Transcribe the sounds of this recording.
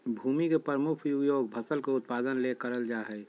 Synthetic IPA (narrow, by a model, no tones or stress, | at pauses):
bʱuːmikepəɾmukʰjuɡjoːɡbʱəsəlkoʊt̪̚paːd̪ənlekəɾəld͡ʒaɦɛj